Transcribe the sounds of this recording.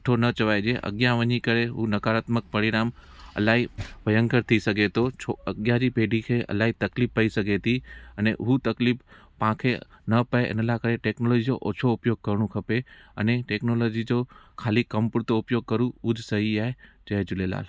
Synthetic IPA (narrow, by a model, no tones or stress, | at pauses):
ʈʰonɐt͡ʃɐʋaːjd͡ʒeʔɐ̰ɠjãʋəɲikəɾeɦunɐkaːɾaːt̪mək̚pɐɾɪɾaːmɐ̰laːɦibɐjə̃ŋkəɾt̪ʰisɐɡʱet̪ot͡ʃʰoəɡjãd͡ʑipeːɖʱikʰeʔɐ̰laːɦit̪ɐklifːɐisɐɡʱet̪ʰiɐneɦut̪ɐklip | pãːkʰenɐpɐeʔɪ̰nəlakəɾeʈeːknoːloːd͡ʑid͡ʑo̰ʔo̰ːt͡ʃʰoʊpjoːɡ̚kɐɾɽ̃ũkʰɐpeɐ̰neʈeːknolod͡ʑid͡ʑokʰaːlikɐmpʊɾt̪oʊpjoːɡ̚kɐɾũud͡ʒʱsɐɦiaːɦed͡ʒɐɦed͡ʒʊlela̰ːl